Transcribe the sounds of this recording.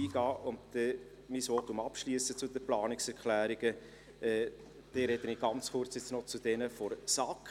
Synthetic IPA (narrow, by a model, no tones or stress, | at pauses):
iːɡ̥ɑːʔʊndtɛ | misʋɔtʊmɑpʃliəsət͡sʊdəplɑːnɪksɛɾkʰlæːɾiɡ̥ə | ɛː | d̥ɛɾɛd̥əniɡ̥ɑnt͡sχʊɾt͡sjɛt͡snɔt͡sud̥ɛnəfɔɾsɑk